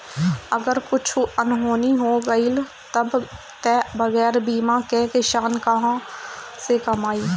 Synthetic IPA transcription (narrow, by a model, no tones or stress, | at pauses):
ɐɡəɾkʊt͡ʃʰənɦoːniɦoːɡɐil | t̪ɐb | t̪ɛːbɐɣɛːɾbiːmãkeːkeʃaːnkɐɦãsekɐmaːiː